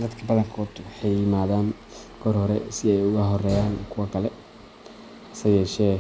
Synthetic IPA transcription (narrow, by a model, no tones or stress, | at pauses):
d̪ɐd̪kʰɐbɐðɐŋkʰɔd̪wɑħɑjːɪmaːðaːn | ɡʰɔrhɔɾɛsɪɛjʊɣɐɦɔrɛːjaːnkʰʊwɐkʰɐlɛ | ʔɐsɐjɛːʃɛː